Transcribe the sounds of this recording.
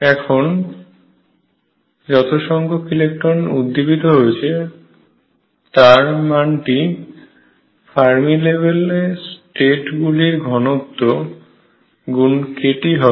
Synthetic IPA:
ɛkʰon | d͡ʑɔt̪oʃɔŋɡokilekʈonud̪ːibit̪oɦoet͡ɕʰe | t̪aɾmanʈi | fʰaɾmilebelesʈeʈɡuliɾɡʱɔnot̪ːo | ɡunkeʈiɦɔ

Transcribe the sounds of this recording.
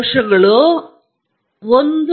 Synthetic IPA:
ʂɐɡɐɭu | ond̪

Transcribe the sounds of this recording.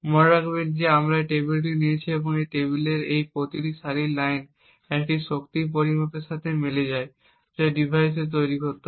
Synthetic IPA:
mɔɾakbed͡ʑeamɾaʈebilʈ̬iniet͡ɕʰieboŋejʈeβileɾejpɾot̪iʈiʃaɾilajn | ɛkʈiʃokt̪ip̬oɾimot̪eʃat̪ʰemeled͡ʑae | d͡ʑɔɖibʱajs̬et̪̬ojɾiɦot̪o

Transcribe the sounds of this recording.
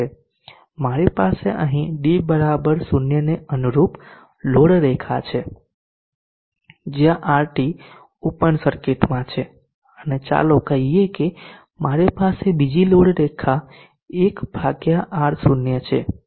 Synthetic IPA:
e | maɾepaseʔəɦĩɖibəɾabəɾsunjəneənuɾup | loɽɾekʰat͡ʃʰe | d͡ʒjãʔaɾʈi | upənsəɾkeʈmãt͡ʃʰe | ənet͡ʃa̰lokəɦieke | maɾepasebid͡ʒiloɽɾekʰa | ekbʱaɡjaʔaɽsunjət͡ʃʰe

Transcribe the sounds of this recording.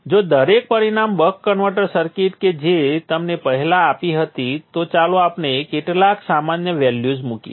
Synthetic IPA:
d͡ʒod̪əɾek̚pəɾinambəkːəɳʋəʈəɾsəɾkiʈked͡ʒet̪əmnepəɦɛlaːpiɦət̪it̪ot͡ʃalõapnekeʈlaksamanjəʋɛljud͡ʒmukḭ

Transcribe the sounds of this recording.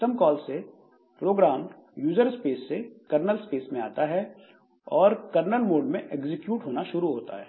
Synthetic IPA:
t̪əmkɔːlse | pɾoːɡɾaːm | juːzəɾspeːsːekɐɾnəlspeːsmẽa̰ːt̪aɦɛ | ɔːɾkɐɾnəlmoːɖmẽʔeːɡzɪkjuːʈɦoːnaʃʊɾuɦoːt̪a̰ɦɛː

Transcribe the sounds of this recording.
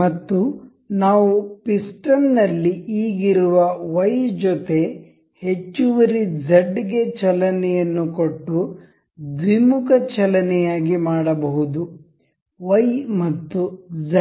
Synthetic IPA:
mɐt̪ːu | naːʋupisʈɐnnɐlːiiːɡiɾuʋɐʋɐjd͡ʒɔt̪e̞ | he̞t͡ʃːuʋɐɾid͡ʒɐɖɡe̞t͡ʃɐlɐnɛjɐnːukoʈːu | d̪ʋimukɐt͡ʃɐlɐnɛjaːɡimaːɽɐbɐɦud̪u | ʋɐjmɐt̪ːud͡ʒɐ

